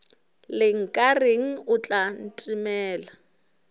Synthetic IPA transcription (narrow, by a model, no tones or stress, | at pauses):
lɪŋ̩kʼarɪŋ̩ʊt͡ɬʼan̩tʼimɛːla